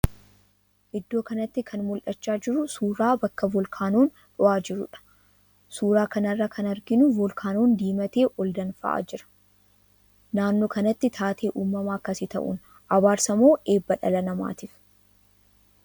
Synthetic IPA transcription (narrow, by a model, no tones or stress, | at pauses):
ʔɪd̪ːo̞ːkɐnɐt̪ːɪkʰɐnmʊlʔɐt͡ʃːaːd͡ʒɪɾʊsuːɾaːbɐkːɐvɔlkʰaːnoːn | ᶑʊaːd͡ʒɪɾʊᶑɐ̥ | suːɾaːkɐnɐrːɐkʰɐnɐɾɡɪnʊvɔlkʰaːnoːnd̪iːmɐt̪e̞ːʔɔld̪ɐnfɐ̰ʔa̰ːd͡ʒɪɾɐ̥ | naːnːoːkɐnɐt̪ːɪt̪ʰaːt̪ʰe̞ːʔuːmːɐmaːkːɐsɪt̪ɐ̰ʔṵn | ʔɐwaːɾsɐmo̞ːʔe̞ːbːɐᶑɐ̰lɐnɐma̰ːt̪iːf